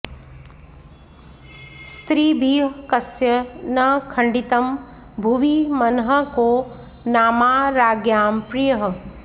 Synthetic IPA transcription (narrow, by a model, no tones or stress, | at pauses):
st̪ɾiːbʱiːɦkɐsjənɐkʰɐɳɖit̪ɐm | bʱuʋimɐnɦəkoː | naːmaːɾaːɡjaːmpɾijəɦ